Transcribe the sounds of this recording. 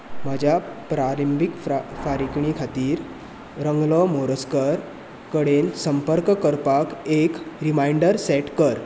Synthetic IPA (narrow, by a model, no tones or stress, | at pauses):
mad͡ʑʱjapɾalimbikffaɾikɳikʰat̪iːɾ | ɾəŋɡlɔmoɾəskəɾ | kəɽensəmpəɾkkəɾpakekɾimajɳɖəɾseʈkəɾ